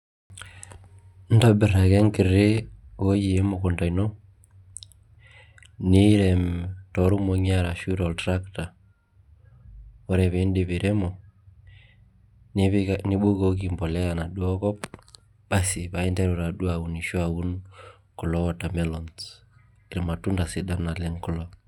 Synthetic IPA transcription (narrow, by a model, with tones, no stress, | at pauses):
n̩˦tɔ˦bɪ˨ɾa˨kɛ˦ŋkɪ˨ɾe˦ko˦ji˨e˦mo˨kɔ˨nta˨inɔ˦ | ni˦ɾɛ˨mtɔ˨˦ɾu˦mo˨ɲa˦ɾa˨ʃu˦ɾɔ˨ltɾa˦kta˨ | ɔ˦ɾɛ˨βe˦ndɪ˨βɪ˨ɾʔe˦mɔ˨ | nni˦ɓo˦ko˦k̬i˨mbɔ˨lɛ˦a˨na˨ɗu˦ɔ˦kɔ˦p̚ | b̥a˨si˨βa˨ɛ˦ndɛ˦ɾo˨ɾa˨ɗu˦a˨u˨ni˨ʃo˦a˨u˦n | kɔ˨lɔ˦wɔ˨ta˨mɛ˦lɔ˨ns | i˨ɾɛ˨ma˨tu˦nda˨si˦da˦na˨lɛ˦ŋkɔ˦lɔ˦